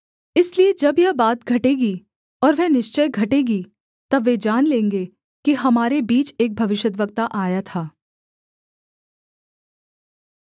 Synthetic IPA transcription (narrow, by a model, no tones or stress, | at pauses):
ɪslied͡ʒɐbjɐbaːt̪ɡʱɐʈeːɡi | ɔːɾʋɛnɪʃt͡ʃəjɡʱɐʈeːɡi | t̪ɐbʋːed͡ʒaːnlẽːŋɡe | kiɦɐmaːɾebiːt͡ʃeːk̚bʱɐʋɪʃjət̪ʋək̚t̪aʔaːjat̪ʰaː